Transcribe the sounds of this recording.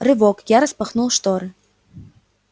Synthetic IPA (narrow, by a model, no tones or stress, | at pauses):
rɘ̆βokjɑɾəspɤ̆χnulˠʃt̪oɾ